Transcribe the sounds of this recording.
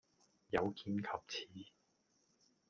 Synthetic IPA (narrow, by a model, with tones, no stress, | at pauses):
jɐ˨˧wkiː˨˧nkʰɐ˨p̚t͡sʰiː˨˥